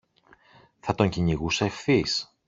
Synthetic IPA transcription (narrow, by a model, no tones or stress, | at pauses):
θɐt̪o̞ɲciɲiɣuseefθis